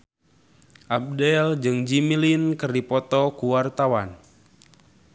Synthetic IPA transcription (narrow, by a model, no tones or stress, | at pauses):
ʔab̚dɛld͡ʒɨŋd͡ʒimilinkɨrdipɔt̪ɔkuwart̪awan